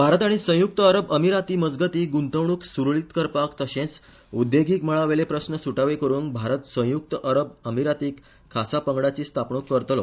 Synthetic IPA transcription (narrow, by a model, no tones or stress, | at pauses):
bʱaɾət̪aɽ̃isə̃juk̚t̪əəɾəbəmiɾat̪iːməd͡zɡət̪iːɡunt̪əʋɳuːksuɾɭit̪kəɾpakt̪əɕẽt͡s | ud̪jeɡʱiːkməɭaʋelepɾəsnəsuʈaʋekəɾũːnbʱaɾət̪sə̃juk̚t̪əʔəɾəb̚əmiɾat̪iːkʰː | asapəŋɡɽat͡ɕiːst̪ʰapɳukːəɾt̪lo